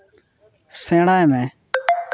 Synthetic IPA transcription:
sẽːɽaːeːmẽː

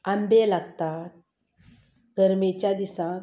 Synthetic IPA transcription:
ambelaɡt̪at̪̚ | ɡʱəɾmet͡ɕjad̪isã

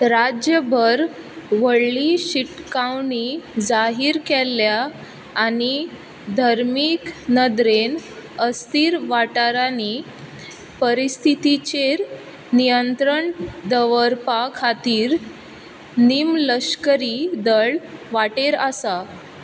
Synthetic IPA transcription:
ɾad͡ʑjəbʱəɾ | ʋəɽliɕiʈkawnid͡zaɦiːɾkɛlːjaː | ni | d̪ʱaɾmiknəd̪ɾenəst̪iːɾʋaʈaɾani | pəɾist̪ʰit̪it͡ɕeɾ | nijənt̪ɾəɳd̪əʋəɾpakʰat̪iːɾ | nimləɕkəɾid̪əɭʋaʈeɾəsa

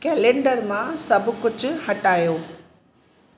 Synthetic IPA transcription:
kɛːlẽːɳɖəɾmãsɐbʱʊkʊd͡ʑʱʊ̆hɐʈaːjoː

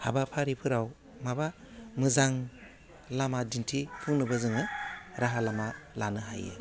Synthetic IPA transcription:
ha̰bapʰaɾipʰɯɾaw | maba | mɯzaŋ | lamadintʰipʰuŋnɯbazɯŋɯɾaɦalamalanɯɦa̰jɯ̰

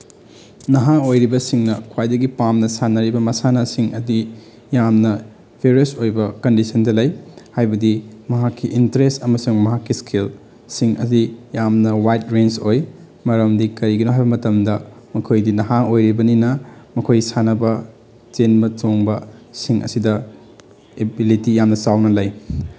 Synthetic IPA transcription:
nɐɦaojɾibɐsiŋnɐkʰwajdɐɡipamnɐsanɐɾibɐmɐsanɐsiŋɐdi | jamnɐ | bʱeɾiɐsojbɐkɐndisɐndɐlɐjhajbɐdimɐɦakːiʔintɐɾestɐmɐsuŋmɐɦakːiskʰel | siŋɐ̰dijamnɐwajt̚ɾensoj | mɐɾɐmdikɐɾiɡinoɦajbɐmɐtɐmdɐ | mɐkʰojdinɐɦaŋojɾibɐninɐmɐkʰojsanɐbɐ | t͡ʃenbɐt͡ʃoŋbɐsiŋʔɐ̰sidɐ | ebilitijamnɐsawnɐlɐj

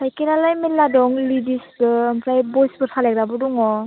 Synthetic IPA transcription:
hʰajkenalajmelːadɔŋlidisbɯːmpʰɾajbɔjsbɯtʰalaɡɾabɯdɔŋɔ

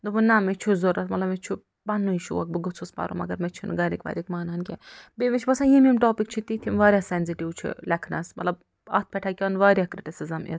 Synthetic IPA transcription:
d̪ubɨnamet͡ʃʰuzoɾɐt̪mɐt̪lɐbmet͡ʃʰu | bɐnːuiʃṵwɐk̚bɨɡɨt͡sʰuspɐ̰ɾʔṵmɐ̰ɡɐɾmet͡ʃʰun̰ɡɐɾikʋɐ̰ːɾikmaːnaːnkʲɛ̰bemet͡ʃʰibɐsajimimʈoːpikt͡ʃʰit̪it̪ʰimʋaːɾʲjasenziʈiwt͡ʃʰḭlɐkʰnɐ̰smɐt̪lɐb | ɐ̰t̪̚ʰpʰʲɛʈʰakʲɐnʋaːɾʲjakɾiʈisizɐmḛt̪

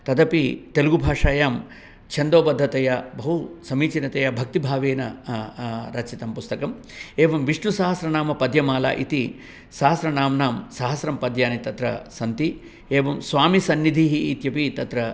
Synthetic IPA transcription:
t̪ɐd̪ɐpit̪eluɡubʱaːʂaːjaːm | t͡ʃʰɐnd̪oːbɐd̪ʱːɐt̪ɐjɐbɐɦusɐmiːt͡ʃinɐt̪ɐjɐbʱɐk̚t̪ibʱaːʋeːnɐ | ɾɐt͡ʃʰit̪ɐmpust̪ɐkɐm | eːʋɐmʋiʂɳusaːɦɐsɾɐnaːmɐpɐd̪ʱjɐmaːla̰ːʔit̪i | saːɦɐsɾɐnaːmnaːmsɐɦɐsɾɐmpɐd̪ʱjaːnit̪ɐt̪ɾɐ̰sɐnt̪i | eːʋɐmsʋaːmisɐnːid̪ʱiɦiːt̪jɐpit̪ɐt̪ɾɐ

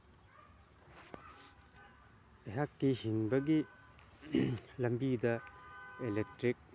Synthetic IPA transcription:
eɦakːihiŋbɐɡi | lɐmbidɐelek̚tɾik̚

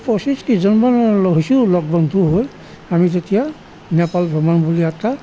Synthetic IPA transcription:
pɔsiskizɔnmanɛlɔɦisulɔɡ̚bɔnt̪uɦoj | amitetija | nɛpalbʱɔmanbuliat̪a

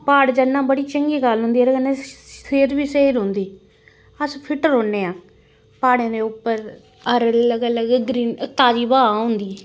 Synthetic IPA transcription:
paːɽd͡ʒənːãːbəɽiːt͡ʃəŋɡiːɡəlɦʊ̃nd̪iːɾɡənẽːseːɾbiːseːɾɦʊ̃nd̪iː | əspʰɪʈəɾɦoːnːẽːãː | paːɽẽːd̪eːʊpːəɾ | əɾləɡələɡɡɾiːnət̪ːaːd͡ʒiːbaːãɦʊ̃nd̪iː

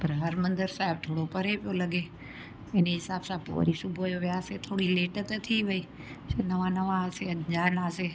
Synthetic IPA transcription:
pɐɾɦɐɾmɐ̃nd̪əɾsaːɦɪb̚t̪ʰoːɽopɐɾepijolɐɡe | ɪneɦɪsaːbsãpo̰ːɾisʊbʱojoʋɪjaːset̪ʰoːɽileːʈt̪ɐt̪ʰiʋɐiː | senɐʋãnɐʋãɐseɐɲd͡ʑaːnaːse

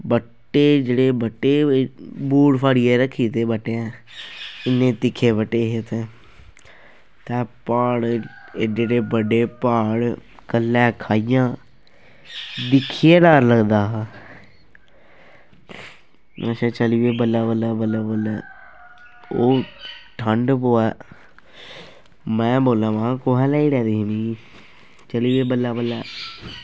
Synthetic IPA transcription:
bəʈːeːd͡ʒeːɽeːbəʈːeːbuːɽpʰaːɽieːɾəkʰːiːt̪eːbəʈːeɛ̃ː | ɪnːẽːt̪ɪkʰːeːbəʈːeːɦet̪ẽː | t̪ɛ̃ːpaːɽ | d͡ʒeːɽeːbəɖeːpaːɽ | kəlːɛːkʰaːijãː | d̪ɪkʰijeːɖaːɾləɡd̪aː | ɛt͡ʃɛ̃ːt͡ʃəliːʋeːbəlːaːbəlːaːbəlːaːbəlɛː | oːʈʰəɳɖpoːɛː | mɛ̃ːboːlãːʋãkoɦɛ̃ːlɛːiːɾɛːd̪eːɦniː | t͡ʃəliːʋeːbəlːaːbəlːɛː

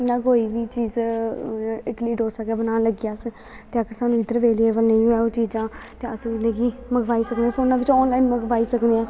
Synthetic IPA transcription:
nãːkoːiːʋiːt͡ʃiːz | ɪʈliːʈɦoːsəkɛːbənaːləɡijaːs | t̪eːəkəɾsaːnũːɪd̪əɾʋeːlieːbəlnə̃ĩːɦoɛːoːt͡ʃiːd͡ʒãːt̪eːəsũːɪləɡiːməɡʋaːiːsəkneaːpʰoːnãːʋɪt͡ʃɔːnlaːinməɡʋaːiːsəkneãː

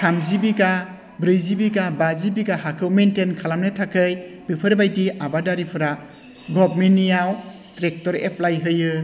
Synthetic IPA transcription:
tʰamzibika | bɾɯjzibikabazibikaɦakʰɯwmentenkʰalamnɯtʰakʰɯjbipʰɯɾbajtiabadaɾipʰɯɾa | ɡɔbmenːijaw | tɾek̚tɔɾḛpʰlajɦɯjɯ

